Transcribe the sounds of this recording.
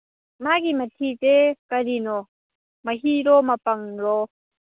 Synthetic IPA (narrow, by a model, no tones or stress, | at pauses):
maɡimɐtʰizekɐɾinɔ | mɐɦiɾɔmɐpɐŋɾɔ